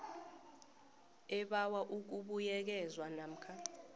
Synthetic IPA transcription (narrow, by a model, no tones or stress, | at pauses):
ɛɓawaʔuk̬uɓujɛk̬ɛzwanam̩kʰa